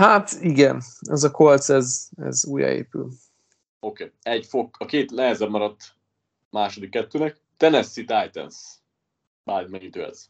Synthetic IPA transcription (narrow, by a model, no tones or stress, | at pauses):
hat̪iɡɛnɛzɒkolt̪sɛzɛ̰zuːjɒ̰ḛːpyl | okeːɛɟfokɒkeːt̪nɛɦɛzɛmmɒɾɒt̪ː | maːʃod̪ikːɛt̪ːøːnɛk̚ | t̪ɛnɛsːit̪aːjt̪ɛ̰ns | baːd̪mɛɲit̪øːɛ̰z